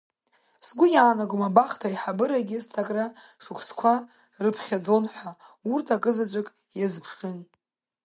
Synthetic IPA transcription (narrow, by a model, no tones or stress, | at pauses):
sɡʷʊjaːnaɡʷumabaχtʰaiħabɨɾaɡʲɪstʰaɡʼra | ʂɨkʷʰskʷʰa | rɨpʰχʲad͡zo̞nħʷa | urtʰakʼɨzat͡ɕʷʼakʼ | jazpʰʂɨn